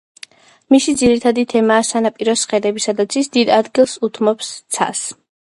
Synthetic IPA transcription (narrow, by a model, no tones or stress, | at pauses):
misid̪ziɾit̪ʰad̪it̪ʰɛmaːsanapʼiɾɔsχɛd̪ɛbisad̪at̪sʰisd̪id̪ad̪ɡilˠsut̪ʰmɔpst̪sʰa̰s